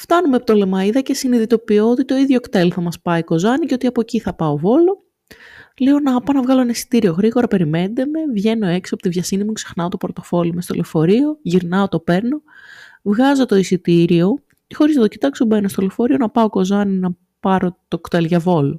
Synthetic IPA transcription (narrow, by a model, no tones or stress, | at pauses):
ft̪ɐnumepot̪ole̞mɐiðɐce̞siniðit̪o̞pioot̪it̪o̞iðʝo̞kt̪e̞lθɐmɐspɐiko̞zɐnice̞o̞t̪iɐpo̞ciθɐpɐo̞vo̞lo | leo̞nɐpɐnɐvɣɐlonesi̥t̪iɾioɣɾiɣo̞ɾɐpe̞ɾime̞nd̪eme̞vʝe̞no̞e̞ksiɐpot̪ivʝɐsinimukse̞xnɐot̪opoɾt̪o̞fo̞limest̪o̞̰lefo̞ɾio̞ʝiɾnɐot̪o̞pe̞ɾno̞vɣɐzo̞t̪o̞isit̪iɾio̞ | cexo̞ɾiseðo̞cit̪ɐksubenost̪olefo̞ɾionɐpɐo̞ko̞zɐninɐ | pɐɾo̞t̪o̞kt̪e̞lʝɐvo̞lo